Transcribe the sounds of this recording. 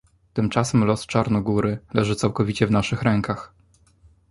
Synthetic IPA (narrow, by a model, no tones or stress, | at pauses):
t̪ɘmt͡ʂasɛmlɔst͡ʂaɾnɔɡuɾɘlɛʐɘt̪sawkɔvʲit͡ɕɛvnaʂɘxɾɛŋkax